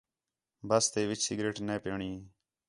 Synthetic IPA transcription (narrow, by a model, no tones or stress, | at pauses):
bəst̪eːʋɪt͡ʃsiɡɾeːʈneːpeːɳiː